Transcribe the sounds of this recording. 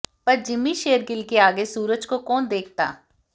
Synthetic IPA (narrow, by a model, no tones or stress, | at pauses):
pəɾd͡ʒɪmːiːʃeːəɾɡɪlkeaːɡeːsuːɾəd͡ʒkokɔːnd̪eːk̚ʰt̪a̰ː